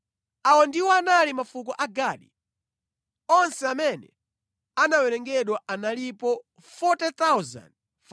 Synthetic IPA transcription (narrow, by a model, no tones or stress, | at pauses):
awɔndiwɔanalimafuk̬ɔʔaɡaːɗḭ | ɔnsɛamɛnɛ̰ | anawɛɾɛŋɡɛɗwaʔanalipɔ | fɔtɛt̪awza̰nd